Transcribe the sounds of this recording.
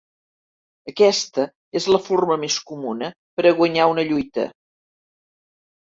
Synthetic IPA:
əkɛst̪ə | ezləforməmeskumunə | pəɾəɣ̞wəɲaunəʎujt̪ə̰

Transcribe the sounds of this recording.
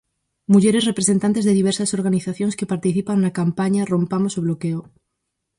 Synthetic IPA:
muʝeɾe̞zrepɾesent̪ant̪e̞zðeðiβ̞eɾsaso̞ɾɣaniθaθjo̞nskepaɾt̪iθipaŋnakampaɲaro̞mpamosoβ̞lokeo

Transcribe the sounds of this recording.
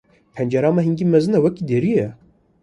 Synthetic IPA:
pʰɛnd͡ʒɛɾɑːmaɦiŋɡiːmɛzɨnɛwɛkiːd̪eɾijɛ

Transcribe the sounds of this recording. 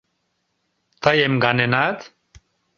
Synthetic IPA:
t̪ajemɡanenat̪

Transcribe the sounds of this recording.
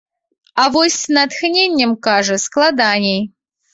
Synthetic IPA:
avosʲnat̪xnʲenʲːəmkaʐəsklˠad̪anʲej

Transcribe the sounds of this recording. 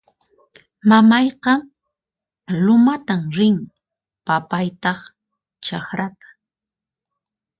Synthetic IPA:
mamɑjqɑŋ | lʊmat̪amɾɪŋ | papajt̪ɑχ | t͡ʃaχɾat̪ḁ

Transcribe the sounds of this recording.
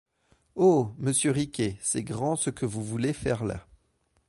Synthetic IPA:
oməsjøʁikʲesɛɡʁɑ̃səkʰəvuvulefɛʁla̰

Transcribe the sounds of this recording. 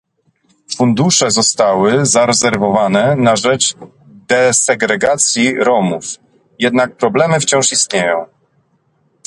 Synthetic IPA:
fund̪uʂɛzɔst̪awɘzaɾɛzɛɾvɔvanɛnaʐɛt͡ʂ | d̪ɛsɛɡɾɛɡat̪sʲjiɾɔmuf | jɛd̪nak̚pɾɔblɛmɘft͡ɕɔ̃w̃ʂist̪̚ɲejɔ̃w̃

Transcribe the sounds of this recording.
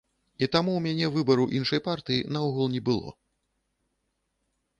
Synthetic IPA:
it̪amuwmʲanʲɛvɨbɐɾuʔinʂɐjpart̪ɨjinɐuɣulˠnʲɛbɨlˠɔ̰

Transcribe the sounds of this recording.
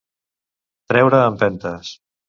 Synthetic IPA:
t̪ɾɛwɾəːmpɛnt̪əs

